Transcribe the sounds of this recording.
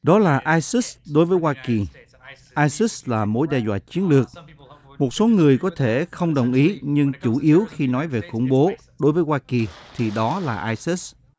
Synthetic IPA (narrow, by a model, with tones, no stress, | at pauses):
ɗɔ˨˦laː˨˩ʔaː˧jsi˦˥sɗo˨˦jvəː˨˦jwaː˧ki˨˩ | ʔaː˧jsi˦˥slaː˨˩mo˨˦jɗɛ˧zwa̰ː˧˨t͡ɕi˨˦ənlɨ˨˩ək̚ | mo˨˩t̚so˨˦ŋɨ˨˩əjkɔ˨˦t̪ʰe˧˩xə˧wŋ͡mɗə˨˩wŋ͡mʔi˨˦ɲɨ˧ŋt͡ɕu˧˩ʔi˨˦əwxi˧nɔ˨˦jve˨˩xʊ̰˧˩ŋ͡mɓo˨˦ | ɗo˨˦jvəː˨˦jxwaː˧ki˨˩t̪ʰi˨˩ɗɔ˨˦laː˨˩ʔaː˧jsi˦˥s